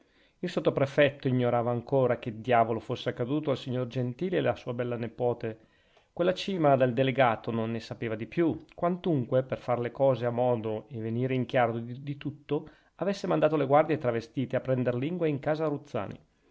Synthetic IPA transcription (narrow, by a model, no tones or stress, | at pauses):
ilsot̪ːopɾefɛt̪ːoiɲːoɾaːvaːŋkoːɾak̟ed̪jaːvolofosːeakːad̪uːt̪oalsiɲːord͡ʒent̪iːleːlasuːabɛlːanepɔːt̪e | kwelːat͡ʃiːmad̪eld̪eleɡaːt̪ononːesapeːvad̪ipjukwant̪uŋkweperfarlekɔːzeamːɔːd̪oeveniːɾeiŋk̟jaːɾod̪it̪ut̪ːo | avesːemand̪aːt̪oleɡward̪jet̪ɾavest̪iːt̪eapːɾɛnd̪erliŋɡweiŋkaːzaɾut̪sːa̰ːnḭ